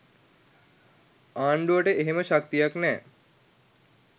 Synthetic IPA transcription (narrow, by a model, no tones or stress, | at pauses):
aːɳɖuʋəʈəeɦeməʃak̚t̪ijaknɛː